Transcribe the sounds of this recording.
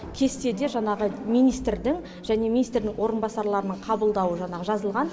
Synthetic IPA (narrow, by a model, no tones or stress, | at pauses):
kʲʰe̞st̪e̞d̪e̞ʒɑɴɑʁəmijnijst̪ɾd̪ɪŋ | ʒæne̞mʲinijst̪ɾd̪ɪŋwo̞ɾənbɑsɑɾlˠɑɾənəɴqʰɑbəlˠd̪ɑwəʒɑɴɑʁəʒɑzəlˠʁɑn